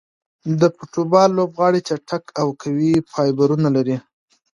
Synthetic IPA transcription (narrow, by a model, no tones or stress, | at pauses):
d̪əpoʈubɑlːobɣɑɽit͡ʃaʈʰakʰawkʰawipʰɑjbaɾunalaɾi